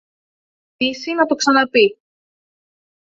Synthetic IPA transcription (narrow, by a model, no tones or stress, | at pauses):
isinɐt̪o̞ksɐnɐpi